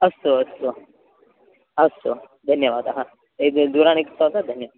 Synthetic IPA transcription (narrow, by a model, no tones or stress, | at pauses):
əst̪oəst̪o | əst̪o | d̪ʱənjəʋaːd̪aɦã | ed̪uɾãñeksaɦt̪at̪̚d̪ʱənjəʋaːd̪